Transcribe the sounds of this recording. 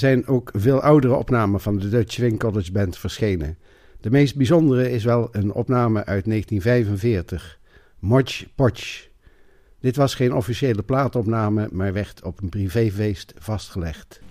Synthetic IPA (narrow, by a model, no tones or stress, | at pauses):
zɛjnowkvɪːlˠʔʌwdərəɔ̰pnaːməvɑndədøt͡ʃʋɪŋkɔlɪd͡ʒbɛntfəɹsχejnə̰ | dəmejsd̚bizɔndərəɪs̬ʋɛlˠənɔ̰pnaːməʔœɥtnejχəntinvɛjvənvɪːɹtəχ | mɔɹt͡ʃpɔt͡ʃ | d̥ɪtʋɑsχejnɔfiʃejləplaːtɔpnaːməmaːɹʋɛɹtʰɔpənprivejvejstv̥ɑstχəlɛχt